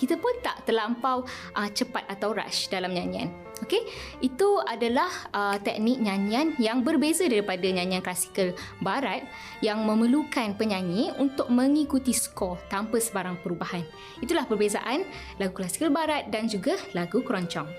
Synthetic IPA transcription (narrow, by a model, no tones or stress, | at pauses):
kit̪apʊnt̪a̰ʔt̪əlampaw | ʔət͡ʃəpat̪̚at̪awɾa̰ʃdalamɲãɲĩa̰n | okeʔit̪uadalahʔət̪ɛk̚nɪk̚ɲãɲianjaŋbərbezadaɾipadaɲãɲĩanklasi̥kəl | baɾat̪̚ | jaŋmə̃məlukanpəɲaɲiunt̪ʊk̚mə̃ŋikut̪isə̥kɔt̪ampəsəbaɾaŋpəɾubahan | it̪ulahpərbeza̰ʔan | laɡuklasi̥kəlbaɾat̪̚dand͡ʒuɡalaɡukəɾɔɲt͡ʃɔŋ